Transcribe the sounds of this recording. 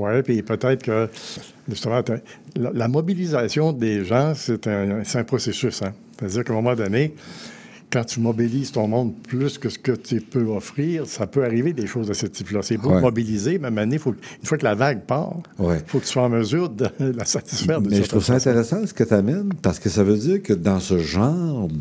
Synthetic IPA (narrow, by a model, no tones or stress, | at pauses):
wɛpipøt̪ɛːt̪ʁkə | ʒyst̪emɑ̃t̪ɛlalamɔbilizasjɔ̃d̪eʒɑ̃set̪ɛ̃set̪ɛ̃pʁɔsesysɛ̃se̥t̪ad͡ziːʁkɛ̃mɔmɑ̃d̪ɔne | kɑ̃t̪ymɔbiliːz̥t̪ɔ̃ːmɔ̃d̪pʰlyskəsə̥kət̪ypøɔfʁiːʁsapøaʁived̪eʃoːzasət̪iplʌsɛbumɔbilizemɛmanefokynfwakəlavaɡ̚pa̰ːʁwɛfokət̪yswaɑ̃məzyːʁd̪əlasat̪i̥sfɛːʁd̪əɛt̪ʁuvsaɛ̃t̪eʁɛsɑ̃sə̥kət̪amɛnpaʁsə̥kəsavød͡ziːʁkəd̪ɑ̃səʒɑ̃ːʁ